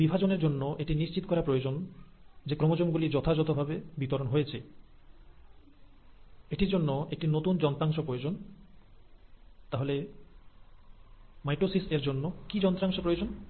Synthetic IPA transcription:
bibʱad͡ʑoneɾd͡ʑonːoʔeʈiniʃt͡ɕit̪o̥kɔɾapɾojod͡ʑon | d͡ʑekɾɔmod͡ʑomɡulid͡ʑɔt̪ʰad͡ʑɔt̪obʱabebit̪oɾonɦojet͡ɕʰe | eʈiɾd͡ʑonːoek̚ʈinot̪und͡ʑɔnt̪ɾaŋʃopɾojod͡ʑon | t̪aɦole | majʈosiseɾd͡ʑonːokid͡ʑɔnt̪ɾaŋʃopɾojod͡ʑon

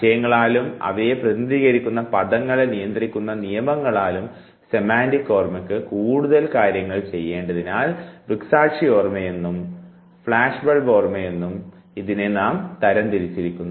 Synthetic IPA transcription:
iɕɐjɐŋːɐɭaːlumɐ̰ʋɐjeprɐðniðiːɣɐɾikʲːunːɐpɐðɐŋːɐɭenijɐnd̪rikʲːunːɐnijɐmɐŋːɐɭaːlum | se̞maːndikːo̞ːrmekːɨkuːɽuðɐlkaːɾjɐŋːɐɭt͡ɕe̞jːe̞ːɳɖɐðinaːlbiksaːkʂio̞ːrmɐje̞nːum | fɭaːʂbɐɭbo̞ːrmɐje̞nːum | iðine̞naːmt̪ɐɾɐnt̪iɾit͡ɕːiɾikʲːunː

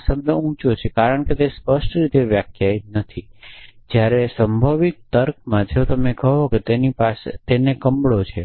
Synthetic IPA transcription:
səb̚d̪əũt͡ʃot͡ʃʰekaɾəɳ̃ket̪espəʃʈɾit̪eʋjakʰjajnət̪ʰid͡ʒjaɾesəmbʱaʋik̚t̪əɾk̚mãd͡ʒʱeot̪əmekəɦoket̪enipaset̪enekəmbɭot͡ʃʰe

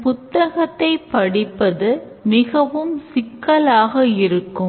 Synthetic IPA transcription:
pʊt̪ːɐɣɐt̪ːɐɪpːɐɽɪpːɐðɯ | mɪɣɐʋɯmsɪkːɐlaːɣɐɪɾɯkːɯ

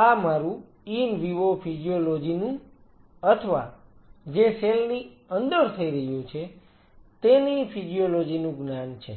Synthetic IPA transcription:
amaɾũ | inʋiʋopʰid͡ʒiolod͡ʒinũ | ət̪ʰəʋa | d͡ʒeselni | ənd̪əɾt̪ʰəiɾəɦjũt͡ʃʰe | t̪enipʰid͡ʒijolod͡ʒinũɡnant͡ʃʰḛ

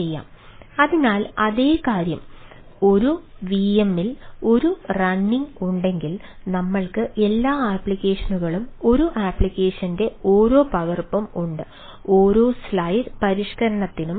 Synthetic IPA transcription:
ejːa̰ːm | ɐðinaːlɐðe̞ːkaːɾjɐm | o̞ɾuʋiemːilo̞ɾurɐnːiŋɡuɳɖe̞ŋɡil | nɐmːɐɭkɨʔe̞lːaːaːpːɭikʲːe̞ːʂɐnuɣɐɭumo̞ɾuʔaːpːɭikʲːe̞ːʂɐnde̞oːɾo̞ːpɐɣɐrpɐmuɳɖɨ | o̞ːɾo̞ːslɐjɾpɐɾiʂkɐɾɐɳɐt̪ːinum

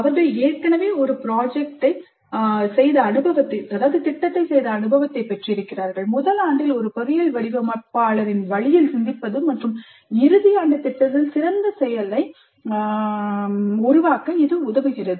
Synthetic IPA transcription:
ɐʋɐɾɣɐɭeːʈkɐɳɐʋeːɔɾɯpɪɾaːd͡ʒɛk̚ʈɐɪ | sɛjðɐːnɯbɐʋɐt̪ːɐɪɐðaːʋɐðɯt̪ɪʈːɐt̪ːɐɪsɛjðɐːnɯbɐʋɐt̪ːɐɪpɐʈriɪɾɯkːɪrɾaːɾɣɐɭmʊðɐlaːɳɖɪlɔɾɯpɐɾɪjɐɭʋɐɽɪɣɐmɐːʈ̚paːɭɐɾɪnʋɐɭɪjɪlsɪnd̪ɪpːɐðɯmːɐʈrɯm | ɪɾɯðɪjaːɳɖɐt̪ɪʈːɐt̪ːɪlsɪɾɐnd̪ɐsɛjɐlɐɪ | ʊɾʊʋaːkɐɪðɯʊðɐʋɯɣɪrɐðɯ

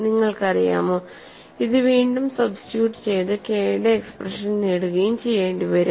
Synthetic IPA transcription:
niŋːɐɭkɐrija̰ːmoː | iðɨʋiːɳɖumsɐbsi̥ʈjuːʈːɨ̥t͡ɕe̞jt̪ɨke̞ːɽɐːksprɐʂɐnneɽuɣɐjumt͡ɕe̞jːe̞ːɳɖiʋɐɾu

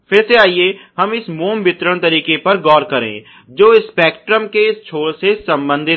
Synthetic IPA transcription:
pʰɪɾseaːieɦɐmɪsmoːmbɪt̪ɾəɽ̃t̪ɐɾiːkepɐɾɡɔːɾkɐɾḛ̃ː | d͡ʒoːɪspɛːkʈɾəmkeɪst͡ʃʰoːɽsesɐ̃mbə̃nd̪ʱɪ

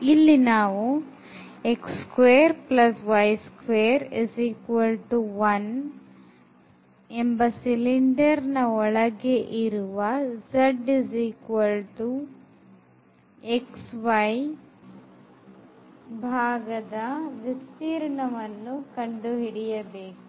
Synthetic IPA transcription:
ilːinaːʋu | ekskʋeːɾplɐsʋɐjskʋeːɾesiːkʋɐlʈuʋɐn | embɐsiliɳɖɐɾnɐɔɭɐɡeʔiɾuʋɐzɐɖisiːkʋɐlʈu | eksʋɐj | bʱaːɡɐd̪ɐʋist̪iːɾɐɳɐʋɐnːukɐɳɖuɦiɽijɐbeːku

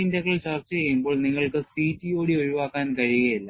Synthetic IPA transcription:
indɐkːɐɭt͡ɕɐrt͡ɕːɐejumbo̞ːɭniŋːɐɭkɨsiːtːijoːɽioɻuʋaːkːaːnkɐɻiuɣɐjilːa

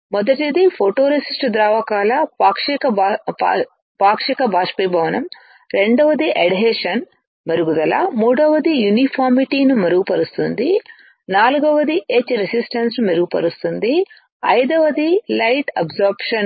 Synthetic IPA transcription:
mɔd̪ɐʈid̪ipʰoʈoːɾesisʈd̪ɾaːʋɐkaːlɐpaːkʂikɐ | paːkʂikɐbʱaːʂpibʱɐʋɐnɐm | ɾeɳɖɐʋɐd̪iʔɐɽɦeːʂɐn | mɐɾuɡud̪ɐla̰muːɽɐʋɐd̪ijunipʰaːɾmiʈiːnumɐɾuɡupɐɾust̪und̪i | naːluɡɐʋɐd̪iʔet͡ʃːɾesisʈɐnsnumɐɾuɡupɐ̰ɾust̪und̪i | ɐ̰jd̪ɐʋɐd̪ilɐjʈɐ̰bzoːɾpʂɐn

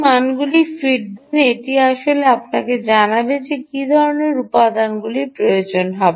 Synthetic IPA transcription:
manɡulifiʈ̚d̪ineeʈiaʃoleapnaked͡ʑanabed͡ʑekid̪ʱɔɾoneɾupad̪anɡulipɾojod͡ʑonɦɔbee

